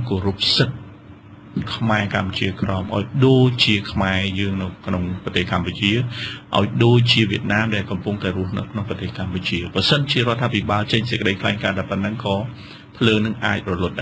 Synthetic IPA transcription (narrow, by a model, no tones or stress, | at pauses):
koːɾup̚sɨt̪̚ | kʰmaɛkampt͡ɕiəkrɑɔmʔaɔjɗoːc̚t͡ɕiəkʰmaɛjəːŋnɨwkʰnoŋprɔt̪eːhkamput͡ɕiəʔa̰ɔjɗoːc̚t͡ɕiəʋiət̪̚naːmɗaɛlkɑmpuŋt̪aɛɾruəhnɨwkʰnoŋprɑt̪eːhkamput͡ɕiəprɑsənt͡ɕiəɾŏət̪ʰːaːpʰiɓaːlt͡ɕəɲsə̥kəɗəjkʰlaɛŋkaːɗapənːɨŋkɑː | pʰləːnɨŋʔa̰ːc̚rɔlʊ̆ət̪̚ɗa